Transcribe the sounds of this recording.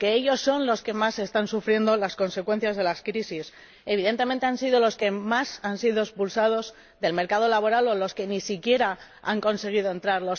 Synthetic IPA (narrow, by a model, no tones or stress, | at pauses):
ke̞eʎo̞sːo̞nlo̞ske̞mase̞st̪ansufɾje̞nd̪o̞lasko̞nse̞kwe̞n̟θjazðe̞laskɾisis | e̞β̞iðe̞nt̪e̞ment̪eansiðo̞lo̞ske̞masansiðoespulsað̞o̞z | ðe̞lme̞ɾkað̞o̞laβo̞ɾalo̞lo̞ske̞nisikje̞ɾa | aŋko̞nse̞ɣ̞iðo̞e̞nt̪ɾaɾlo̞s